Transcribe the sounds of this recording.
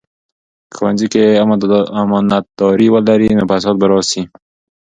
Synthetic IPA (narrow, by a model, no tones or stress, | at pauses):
kʰwand͡ʒikeamamɔnat̪̚d̪̥ɔɾiwalaɾinopas̬ɔt̪̚bəɾɔsi